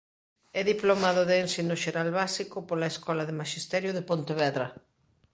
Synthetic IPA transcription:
ɛðiplomaðoðeːnsinoʃeɾalβasikopolaeskɔlaðemaʃist̪ɛɾjoðepõnt̪eβɛðɾɐ

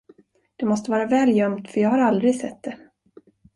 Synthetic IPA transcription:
d̪̥ɛmɔst̪əvɑːɾavɛːljœmt̪fœɾjɑːɡhaɾald̪ɾɪsɛt̪̚ːd̪ɛ

